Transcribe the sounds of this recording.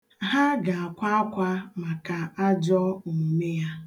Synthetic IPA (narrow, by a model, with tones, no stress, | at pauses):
ɦa˦ɡa˨a˨kʷa˦a˦kʷa˦ma˨ka˨a˦d͡ʒɔ˦˨me˦ja˦